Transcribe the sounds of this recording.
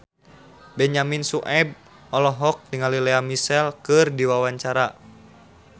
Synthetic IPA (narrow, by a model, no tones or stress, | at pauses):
bɛɲaminsuʔɛb̚ | ɔlɔɦɔk̚tiŋalilɛamisɛlkɨrdiwawaɲt͡ʃaɾa